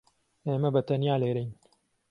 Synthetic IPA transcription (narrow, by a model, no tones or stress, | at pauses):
eːmɐbɐt̪ɐnjaːleːɾɛjn